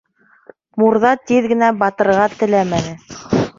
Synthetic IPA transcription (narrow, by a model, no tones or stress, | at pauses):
muɾðɑt̪iðɡɘ̆næbɑt̪ɤ̆ɾʁɑt̪ɘ̆læmænɘ